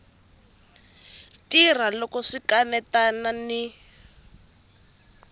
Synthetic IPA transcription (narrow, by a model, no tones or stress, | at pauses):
tir̤alɔkɔʂikanɛtanani